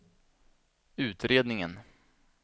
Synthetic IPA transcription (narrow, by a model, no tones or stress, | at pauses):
ʉ̟ːt̪ɾeːd̪nɪŋən